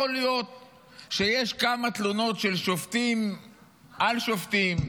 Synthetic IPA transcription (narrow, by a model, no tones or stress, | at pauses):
olijo̞t̪̚ | ʃe̞je̞ʃkamat̪luno̞tʃelʃoft̪im | ʔalʃoft̪im